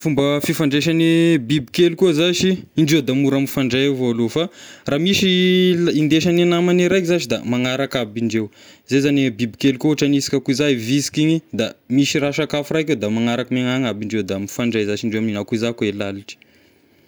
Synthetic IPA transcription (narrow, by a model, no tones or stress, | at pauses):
fumbəfifaɳɖ͡ʐeʃanibibikelukuzaʃiːɳɖ͡ʐed̪amuɾamifaɳɖ͡ʐajavoalofaraːmiʃilind̪eʃananamaniɾajkzat͡ʃid̪a̰maŋaɾakabiɳɖ͡ʐewzezanibibikelukouʈ͡ʂanisi̥kʲakuzavisi̥kiɲid̪amiʃiraʃakafuraked̪amaŋaɾakəmeŋaŋabiɳɖ͡ʐewd̪amifaɳɖ͡ʐajzat͡ʃiɳɖ͡ʐeamninakuzakoelaliʈ͡ʂi̥